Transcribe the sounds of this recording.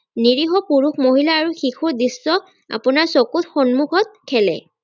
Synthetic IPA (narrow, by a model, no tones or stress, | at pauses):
niɹiɦɔpuɹuxmoɦilaːɹuxixʰuɹdisːɔ | a̰punaɹsɔkutxɔnmukʰɔt̚kʰɛlɛ̰